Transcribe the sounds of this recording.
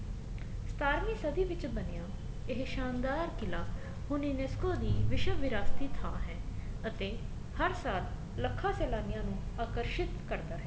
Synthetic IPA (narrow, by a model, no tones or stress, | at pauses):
st̪aːɾmiːsəd̪iːʋɪt͡ʃbənejãː | ɪɦʃaːnd̪aːɾkɪlaː | hʊneːneːskoːd̪iːʋɪʃəʋɪɾaːst̪iːt̪ʰaːɦɛ̃ːət̪eː | həɾsaːl | ləkʰːaːsɛːlaːnɪjãːnũːaːkəɾʃɪt̪kəɾd̪aːɦɛː